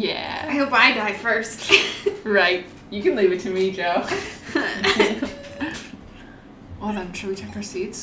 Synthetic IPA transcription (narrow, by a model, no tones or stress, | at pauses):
jæ̰ɪbaɪdaɪ̥fɜ˞stɹaɪt̚ | jɨkɨ̃nlivɨtʰɨmid͡ʒoʊ | wɔdãntʰɹ̥uwit͡ʃʰɛkə˞sidz̥